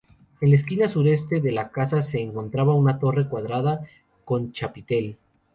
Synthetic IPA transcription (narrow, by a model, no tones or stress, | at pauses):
e̞nlaeskinasuɾe̞st̪e̞ðe̞lakasase̞ːŋko̞nt̪ɾaβaunat̪o̞re̞kwaðɾaða | ko̞nt͡ʃapit̪e̞l